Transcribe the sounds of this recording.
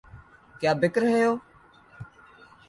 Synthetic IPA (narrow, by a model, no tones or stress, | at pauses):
kjaːbɪkɾɦejoː